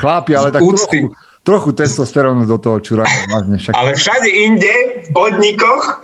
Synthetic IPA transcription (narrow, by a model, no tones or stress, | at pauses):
xlaːpialɛt̪auːɾst̪iu | t̪ɾɔxut̪ɛst̪ɔst̪ɛɾɔʊnɔzd̪ɔt̪ɔɦɔt͡ʃuɾalazɲɛfʃaka̰lɛfʃaɟɛiɲɟɛfpɔd̪ɲikɔx